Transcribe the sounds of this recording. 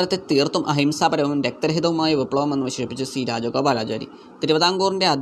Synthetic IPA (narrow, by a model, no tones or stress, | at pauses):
ɐlɐt̪ːet̪iːrt̪ːumʔɐɦimsaːpɐɾɐʋuʋumɾek̚t̪ɐɾɐɦid̪ðɐʋumaːjɐʋipːɭɐʋɐme̞nːɨʋɐɕɐɕɐpːit͡ɕːɨsiːɾaːd͡ʑoɡɐbaːlaːd͡ʑaːɾḭ | t̪iɾubɐðaːŋɡuːrinde̞ɐd̪ʱ